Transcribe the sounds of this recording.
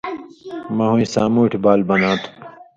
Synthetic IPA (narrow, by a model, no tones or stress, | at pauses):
mɐɦũĩsaːmuːʈʰbaːlbɐnãːt̪ʰu̥